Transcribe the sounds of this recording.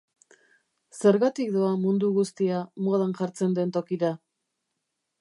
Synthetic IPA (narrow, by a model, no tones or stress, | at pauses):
se̞ɾɣat̪ikd̪oamund̪uɣust̪iamoðanʝaɾt͡se̞nd̪e̞nt̪o̞kiɾa